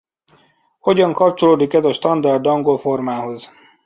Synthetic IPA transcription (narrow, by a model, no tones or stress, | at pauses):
ho̞ɟɒŋkɒp̚t͡ʃo̞loːd̪ikɛzɒʃt̪ɒnd̪ɒrd̪ɒŋɡo̞lfo̞rmaːɦo̞z